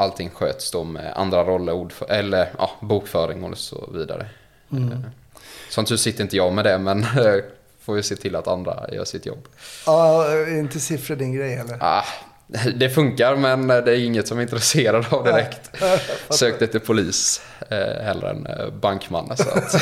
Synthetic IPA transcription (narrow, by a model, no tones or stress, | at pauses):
ʔalt̪ʰɪŋːɧø̰ːt̪sd̪omɛ̰ʔa̰nd̪ɾaɾɔlːəɾuːɖfœʔɛlːəɾʔɑ̰ːbuːkfœːɾɪŋɔləsɔ̰viːd̪a̰ɾə̰ | sɔnt̪hɵsɪt̪əɾɪnt̪əjɑmɛd̪ɛmɛn | foːɾjɵseːt̪ʰɪlːat̪and̪ɾa̰jœ̰ːʂɪt̪jɔ̰bː | ɾɪnt̪əsɪfɾəd̪ɪnɡɾɛjhɛlːəɾa | d̪ɛfɵŋkaɾmɛnd̪ɛæɾɪŋːət̪sɔmɪnt̪ɾɛseːɾad̪avd̪ɪɾɛkt̪søːk̚t̪ɛt̪ːəpʰʊliːs | hɛlːə̰ɾɛ̰nbaŋkma̰nːɔa̰t̪